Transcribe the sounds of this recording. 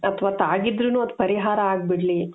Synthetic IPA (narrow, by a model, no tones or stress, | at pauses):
ɐt̪ʰʋaːt̪aːɡid̪ɾunuːɐd̪upɐɾiɦaːɾɐaːɡ̚biɽli